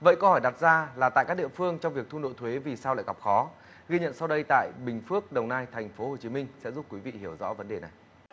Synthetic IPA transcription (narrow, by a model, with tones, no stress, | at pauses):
və̰˧˨jkə˧whɔ˧˩jɗa˨˩t̚zaː˧laː˨˩t̪a̰ː˧˨kaː˦˥k̚ɗḭ˧˨əfɨ˧əŋt͡ɕɔ˧wŋ͡mvi˨˩ək̪̚ʰu˧no̰˧˨jt̪ʰwe˨˦vi˨˩saː˧wla̰ː˧˨jɣə˨˩p̚xɔ˨˦ | ɣi˧ɲə̰˧˨nsa˧wɗə˧jt̪a̰ː˧˨jɓï˨˩ŋ̟fɨ˦˥ək̚ɗə˨˩wnaː˧jt̪ʰɛ˨˩ŋ̟fo˨˦ho˨˩t͡ɕi˨˦mï˧ŋ̟sɛ̰˧˥zu˦˥p̚kwi˨˦vḭ˧˨hi˧˩əwzɔ̰˧˥və˨˦nɗe˨˩na˨˩j